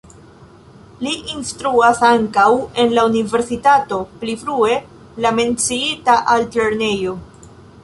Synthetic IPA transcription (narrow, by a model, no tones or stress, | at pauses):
liʔinstɾuasaŋkawe̞nlaunive̞ɾsitato̞plifɾue̞ | lame̞nt͡siitaʔalteɾne̞jo̞